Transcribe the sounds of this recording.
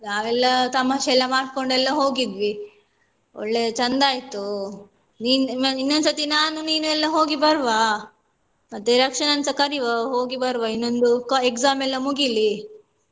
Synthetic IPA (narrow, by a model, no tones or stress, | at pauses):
jaːʋɛlːɐt̪ɐmaʃɛlːɐmaːɽ̚ko̞ɳɖɛlːɐɦo̞ːɡid̪ʋi | o̰ɭːe̞ːt͡ʃɐnd̪aːjt̪u | niːninːond̪sɐt̪inaːnuniːnuɛlːɐɦo̞ːɡibɐɾʋa | mɐt̪ːeɾiakʂɐnɐnsɐkɐɾiʋɐɦo̞ːɡibɐɾʋɐinːo̞nd̪ukekzaːmɛlːɐmuɡili